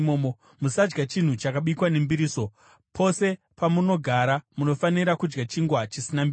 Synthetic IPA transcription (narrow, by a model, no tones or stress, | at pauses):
oːmo | musad͡ʒɡat͡ʃin̤ut͡ʃakaɓikwane̞mbiɾiːso̞ | pʰo̞se̞ | pamuno̞ɡʱaɾamuno̞faniɾakud͡ʒɡat͡ʃiŋɡwat͡ʃisinambi